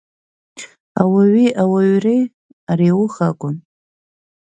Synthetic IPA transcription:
awaɥiʔawaɥrej | ariwʊχakʷʼʊn

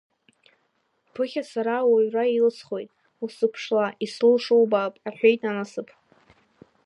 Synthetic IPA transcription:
pʰɨχʲasaɾawaɥrailsʰχo̞jtʼ | usɨpʰʂlaʔislɨlʂowbaːpʼaħʷᶣejtʼanasɨpʰ

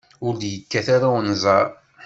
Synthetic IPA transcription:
ʊɾljəkːæθaɾaənzˤɑɾ

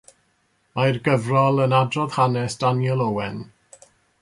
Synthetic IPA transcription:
majrɡəvrɔlˠənadrɔð̥hanɛsd̥anjɛlˠowɛn

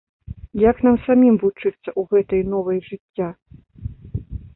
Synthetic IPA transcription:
jaknamsamʲimvut͡ʂɨt̪sːɐʔuɣɛt̪ɐjnɔvɐjʐɨt͡sʲːa

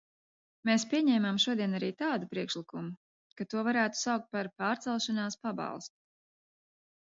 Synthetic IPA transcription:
meːspʲiɛɲɛːmamʃuɔd̪iɛnaɾiːt̪aːd̪upɾiɛkʃlikumu | kat̪uɔvaɾæːt̪u̥sawk̚t̪̚paɾpaːɾt̪sɛlˠʃanaːspabɑ̰lˠst̪u̥

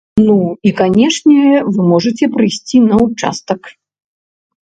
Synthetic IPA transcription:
nuikanʲɛʂnʲɛvɨmɔʐɐt͡sʲɛpɾɨjsʲt͡sʲinɐut͡ʂa̰st̪ɐk

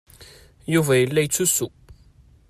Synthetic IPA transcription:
juvæjəlːæjt͡sːusːu

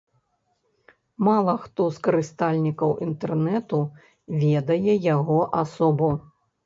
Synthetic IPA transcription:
malˠɐxt̪ɔskɐɾɨst̪alʲnʲikɐwʔint̪ɛrnɛt̪u | vʲɛd̪ɐjɛjaɣɔʔasɔbu

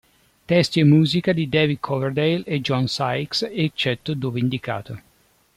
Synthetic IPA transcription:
t̪ɛst̪jemːuːzikad̪id̪ɛvid̪̚kʰɔvɛrd̪ejled͡ʒɔnsajkset͡ʃːɛt̪ːod̪oːveind̪ika̰ːt̪o

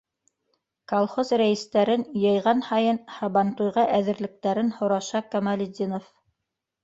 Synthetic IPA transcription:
kolˠχozɾæjɘ̆st̪æɾɘnjɤ̆jʁɑnhɑjɤnhɑβɑnt̪ujʁɑʔæðɘ̆ɾlɘ̆k̚t̪æɾɘnhŏɾɑʃɑkɑmɑlʲɪd̪ʲinof

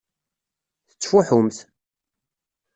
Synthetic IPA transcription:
θə̥t͡sːfuħʊmθ

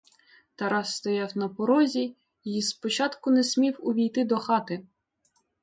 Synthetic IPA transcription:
t̪ɐɾɑsst̪ɔjɑwnɐpɔɾɔzʲi | ispɔt͡ʃɑt̪kʊnɛsʲmʲiwʊʋʲijt̪ɪd̪ɔxɑt̪ɪ

